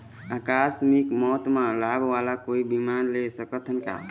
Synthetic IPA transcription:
akasmikmɔt̪mãlabʱʋalakoibimanlesəkət̪ənka̰

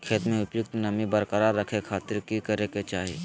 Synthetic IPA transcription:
kʰeːt̪mẽʊpjʊk̚t̪nəmibəɾkəɾaɾːəkʰekʰaːt̪ɪɾkikəɾeket͡ʃaːɦe

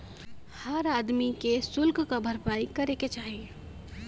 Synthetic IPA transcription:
həɾaːd̪mikesʊlkkabʱəɾpaːikɐɾeket͡ʃaːɦie

